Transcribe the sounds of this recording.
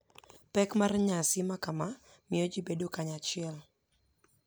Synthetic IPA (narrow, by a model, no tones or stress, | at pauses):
pɛkmarɲasɪmakama | mɪod͡ʒibedokaɲat͡ʃɪɛl